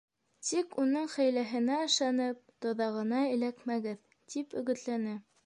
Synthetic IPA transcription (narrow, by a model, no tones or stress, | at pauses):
t̪ikunɤɴχæ̆jlæɦɘ̆næɤ̆ʃɑnɤp̚t̪ŏðɑʁɤ̆nɑɘ̆lækmæɡɘð | t̪ipɵ̆ɡɵ̆t̪lænɘ